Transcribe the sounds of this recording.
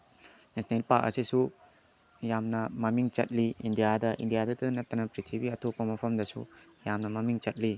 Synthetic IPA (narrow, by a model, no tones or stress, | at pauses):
nesʰnelpaɾk̚ɐ̰sisu | jamnɐmɐmiŋt͡ʃɐ̰t̚liindijadɐʔḭndijadɐtɐnɐtːɐnɐpɾitʰibiɐtʰopːɐmɐpʰɐmdɐsṵ | jamnɐmɐmiŋt͡ʃɐt̚li